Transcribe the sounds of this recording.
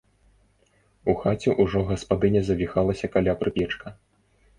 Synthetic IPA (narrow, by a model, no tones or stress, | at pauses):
uxat͡sʲɛʔuʐɔɣɐspad̪ɨnʲɐzɐvʲixalˠɐsʲɐkalʲapɾɨpʲɛt͡ʂkɐ